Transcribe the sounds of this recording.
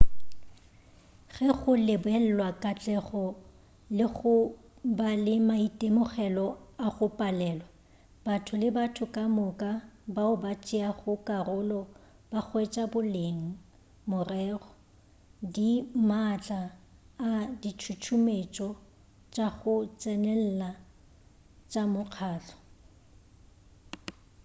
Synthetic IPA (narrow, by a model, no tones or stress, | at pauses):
ɣɛɣʊlɪbʊɛl̩lwakʼat͡ɬʼɛχɔ | lɪɣʊ | balɪmaitʼemʊχɛlɔaɣʊpʼalɛːlwa | batʰʊlɪbatʰʊkʼamʊkʼabaʊbat͡ʃʼiaχʊkʼarʊlɔ | bak͡xwet͡ʃʼabʊleŋ̩ | mʊrɛːrɔ | dimat͡ɬʼaː | dit͡ʃʰut͡ʃʰumet͡ʃʼɔ | t͡ʃʼaɣʊt͡sʼɛnɛl̩la | t͡ʃʼamʊq͡χʰaːt͡ɬʰɔ̥